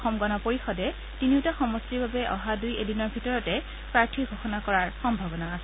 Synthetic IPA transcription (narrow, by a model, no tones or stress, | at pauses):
xɔmɡɔnɔpoɹixɔdɛ | tiniwtaxɔmɔstiɹbabɛʔɔɦadujedinɔɹbʱitɔɹɔtɛ | pɹaɹtʰiɡʱoxɔnakɔɹaɹxɔmbʱabɔnaːsɛ